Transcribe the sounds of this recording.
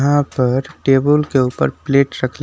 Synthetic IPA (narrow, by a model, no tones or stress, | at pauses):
ɦãpəɾʈeːbəlkeuːpə̰ɾpleːʈɾəkʰle